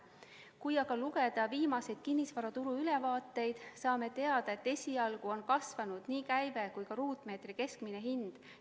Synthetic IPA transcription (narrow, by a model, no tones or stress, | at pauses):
kujɑɡ̥ɑluɡe̞d̪̥ɑviːmɑse̞jd̪̥̚kinʲːisvɑɾɑt̪uɾuylɛvɑːt̪ːˑe̞jd̪̥sɑːme̞t̪e̞ɑd̪̥ɑe̞t̪ːe̞sʲiɑlɡ̥uo̞nkɑsvɑnud̪̥niːkæjvekujkɑɾuːt̪ˑme̞ːt̪rike̞skmine̞ɦind̪̥